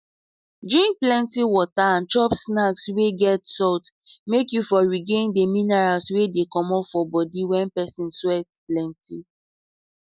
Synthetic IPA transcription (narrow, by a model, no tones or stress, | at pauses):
dɹĩŋk̚plɛ̃ntiwɔtaãnt͡ʃɔpsnaksweɡɛtsɔtmekjufɔɹiɡẽndeminaɹalswedekɔmɔpfɔbɔdiwɛ̃npɛsĩnswɛtplɛ̃nti